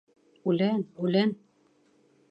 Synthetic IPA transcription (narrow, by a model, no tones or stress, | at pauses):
ʉlænʉlæn